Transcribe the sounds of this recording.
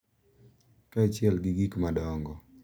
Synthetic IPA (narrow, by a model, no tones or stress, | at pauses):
kat͡ʃjɛlɡɪɡikmadɔŋɡɔ